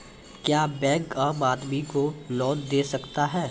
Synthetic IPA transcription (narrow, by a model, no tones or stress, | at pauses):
kjaːbɛ̃ːkɐːmaːd̪mikolɔːt̪d̪eːsɐkt̪aɦɛː